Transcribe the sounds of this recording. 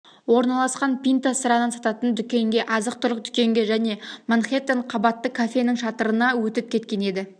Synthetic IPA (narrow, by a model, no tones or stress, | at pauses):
wo̞ɾnɑlˠɑsqɑnpʲijnt̪asəɾɑnənsɑt̪ɑt̪ənd̪ʏkʲe̞ŋɡʲe̞ʔɑzəq̚t̪ʰʊɾəq̚d̪ʏkʲe̞ŋɡʲe̞ʒæne̞maɴχe̞t̪ːeɴqʰɑbɑt̪ːəkʰafʲe̞nɪŋʃɑt̪əɾənɑwɵt̪ɪp̚kʲʰe̞t̪̚kʲe̞ne̞d̪ɪ